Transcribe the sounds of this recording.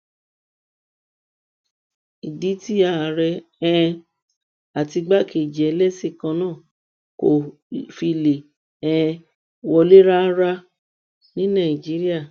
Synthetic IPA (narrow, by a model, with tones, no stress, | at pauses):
i˨di˨˦ti˦a˦˨ɾɛ˧ɛ̃˦˧ | a˨ti˧ɡ͡ba˦ke˨d͡ʒɛ˨˦lɛ˦se˦˨kã˧nãː˦˨ | ko˨ | fi˧le˨ | ɛ̃˧ | wɔ˧le˦ɾa˦ɾa˦ | nĩ˦nã˦˨i˨d͡ʒi˨˦ɾi˦a˦˨